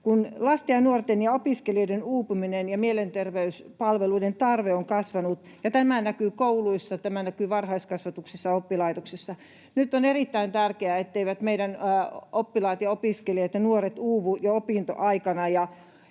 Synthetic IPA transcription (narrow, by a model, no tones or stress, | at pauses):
kunlɑst̪eɑnuort̪enjɑopiskelioidenuːpuminenjɑmielent̪erʋeyspɑlʋeluident̪ɑrʋeoŋkɑsʋɑnut̪ | jɑt̪æmænækyːkouluisːɑt̪æmæˑnækyːʋɑrhɑiskɑsʋɑt̪uksisːɑopːilɑit̪oksesːɑ | nyt̪ːˑonerit̪ːæint̪ærkeæet̪ːeiʋæt̪meiɾænopːilɑit̪jɑopiˑskeliɑt̪jɑnuoret̪uːʋujɑopiˑnt̪o̰ʔɑikɑnɑjɑ